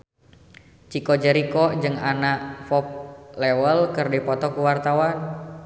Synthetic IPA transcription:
t͡ʃikɔd͡ʒəɾikɔd͡ʒɨŋanaʔfɔp̚lɛwəlkɨrdipɔt̪ɔkuwart̪awan

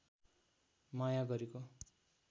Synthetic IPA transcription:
majaɡʌɾeko

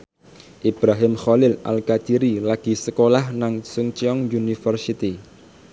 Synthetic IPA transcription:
ʔib̥ɾaɦɪmxɔlɪla̰lkat͡ʃiɾilaɡ̥i̤səkolahnaŋsuŋt͡ʃiɔŋjunifərsit̪i

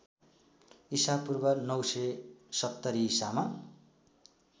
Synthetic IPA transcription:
isapurbʌnʌwsʌsʌt̪ːʌɾiːsama

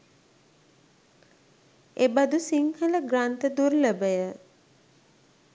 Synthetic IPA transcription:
ebad̪usiŋhələɡrant̪əd̪urləbəjə

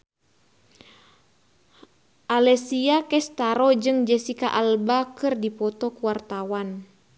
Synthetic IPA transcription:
ʔalɛsiakɛst̪aɾɔd͡ʒɨŋd͡ʒɛsika̰ʔalbakɨrdipɔt̪ɔkuwart̪awan

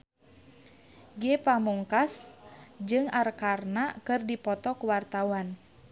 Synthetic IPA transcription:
ɡɛpamuŋkasd͡ʒɨŋarkarnakɨrdipɔt̪ɔkuwart̪awan

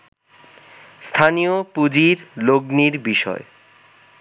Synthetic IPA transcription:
st̪ʰaniopud͡ʑiɾloɡniɾbiʃɔ̰e

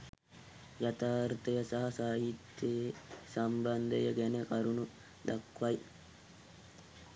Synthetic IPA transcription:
jɐt̪aːɾt̪ejɐsɐɦɐsaːɦit̪ːesɐmbɐnd̪ejɐɡɛnekɐɾunu | d̪ɐkːʋɐj

